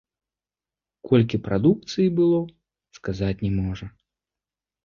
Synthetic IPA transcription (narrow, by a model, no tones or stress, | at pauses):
kʰɔlʲkʲipɾʔad̪uk̚t̪sɨjibɨlˠɔ | skazat͡sʲnʲɛmɔʐɐ